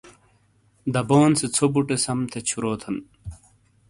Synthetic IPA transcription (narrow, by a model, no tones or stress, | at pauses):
d̪ɐboːnset͡sʰobuʈesɐmt̪ʰet͡ɕʰuɾoːt̪ʰɐn